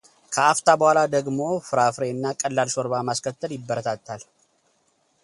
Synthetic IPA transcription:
kʰəʔaft̪ʰabəhʷalad̪əɡmo̞fɨɾafɾe̞ɨnːakʼəlːalsoɾbamaskʰət̪ːəljɪbːəɾət̪ʰat̪ʰːal

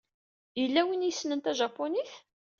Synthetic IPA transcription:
jəlːæwinjəsːnənt̪æʒɑpːoniθ

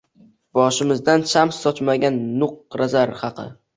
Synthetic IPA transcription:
b̥ɒʃɪmɪzd̪ant͡ʃʰamsːɒt͡ʃmaɡʲanːʊq̚ɾazaɾhɑqʰɨ̰

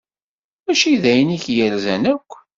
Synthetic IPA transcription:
mæʃiðæjəniçjælzænækʷː

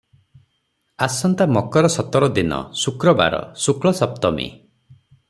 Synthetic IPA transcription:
asɔnt̪amɔkɔɾɔsɔt̪ɔɾɔd̪inɔ̰sukɾɔba̰ɾɔ̰sukɭɔsɔp̚t̪ɔmḭ

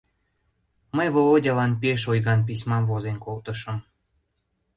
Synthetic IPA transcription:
məjβoodʲɑlɑnpieʃojɣɑnp̬isʲmɑmvozenkolt̪əʃəm

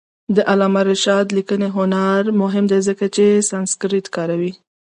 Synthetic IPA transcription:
d̪əʔalɑmaɾɪʃɑd̪likəneɦʊnaɾmʊɦɪmd̪ezəkat͡ʃesanskɾitkɑɾawi

